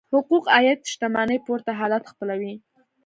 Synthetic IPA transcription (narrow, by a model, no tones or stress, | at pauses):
hʊquqɑjad̪̚ʃt̪amɑnəjpoɾt̪aɦɑlat̪xpəlawi